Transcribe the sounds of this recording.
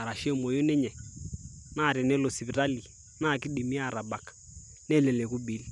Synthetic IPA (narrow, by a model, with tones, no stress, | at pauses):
a˨ɾa˨ʃɛ˦˨mo˨jo˦nɛ˦ɲɛ˨ | na˦˨ɾɛ˨nɛ˦lo˨si˨βi˨ɾa˦li˨ | na˦˨ki˦ɗi˨mi˦a˦˨ɾa˨ɓa˨kḁ˨ | nɛ˦˨lɛ˨lɛ˨ku˦ɓi˨˦li˦